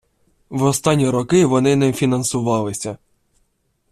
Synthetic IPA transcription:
ʋɔst̪ɑnʲːiɾɔkɪʋɔnɪnɛfʲinɐnsʊʋɑlˠɪsʲɐ

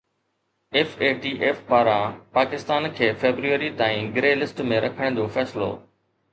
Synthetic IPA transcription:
eːfeːʈiːʔeːfpaːɾãpaːkɪst̪aːnkʰeːfeːbɾuʋəɾit̪aːĩɡɾeːlɪsʈmẽɾɐkʰəɽ̃d͡ʑoːfɛːsɪlo̰ː

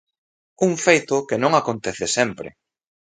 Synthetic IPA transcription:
uŋfejt̪ʊkɪnõŋakont̪ɛθɪsɛmpɾɪ̰

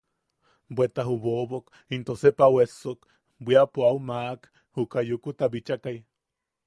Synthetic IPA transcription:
bwet̪aɦuβoβok | int̪osepawesːok | bʷiapoawmaʔk | hukajukut̪abit͡ʃakaj

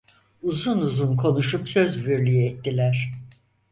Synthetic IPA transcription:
uzunuzunkʰo̞nuʃupsø̞zbiɾlʲyjɛt̪ːilʲæɾ̥

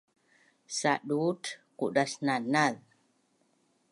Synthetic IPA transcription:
saʔɗutkuʔɗasnanal

